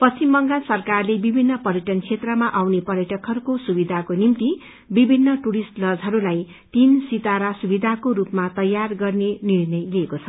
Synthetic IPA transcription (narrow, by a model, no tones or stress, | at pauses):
pʌst͡simbʌŋɡasʌrkarlebibʱinːʌpʌɾjʌʈʌnkʰet̪rʌmaʔawnepʌɾjʌʈʌkɦʌɾukosubid̪ʱakonimt̪i | bibʱinːʌʈuɾisʈlʌd͡zɦʌɾulaj | t̪insit̪aɾasubid̪ʱakoɾupmat̪ʌjːarɡʌrnenirnʌjliekot͡sʰʌ